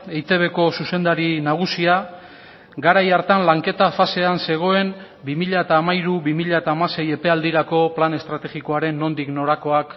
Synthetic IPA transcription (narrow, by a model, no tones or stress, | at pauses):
ejt̪e̞β̞e̞ko̞suse̞nd̪aɾinaɣ̞usia | ɡaɾajaɾt̪anlaŋke̞t̪afase̞anse̞ɣ̞o̞e̞m | bimiʎaet̪aːmaiɾuβimiʎaet̪aːmase̞je̞pe̞ald̪iɾako̞plane̞st̪ɾat̪e̞ɣiko̞aɾe̞nːo̞nd̪ikno̞ɾako̞ak